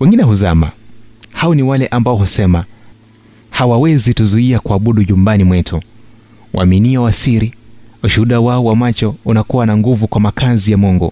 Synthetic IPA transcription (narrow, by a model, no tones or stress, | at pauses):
wɛŋɡinɛɦuzama̰haɔniwalɛʔambaɔɦhusɛma | hawawɛzituzuiakuaɓuɗuʄumbanimwɛtʰu | wʔa̰miniawasiɾiuʃuhuɗawaɔwamat͡ʃɔunakuwanaŋɡuvukwamakazijamɔŋɡɔ̰